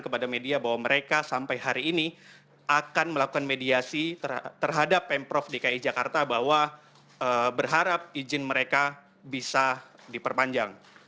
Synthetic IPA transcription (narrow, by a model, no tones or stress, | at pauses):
kəpadamediabaɦwaməɾekasampajɦaɾiːni | akanməlaku̥kanmediasit̪ət̪ərɦadapːɛmpɾɔfdikaid͡ʒakart̪abaɦwa | əbərɦaɾap̚id͡ʒɪnməɾeka | bisa | dipərpaɲd͡ʒaŋ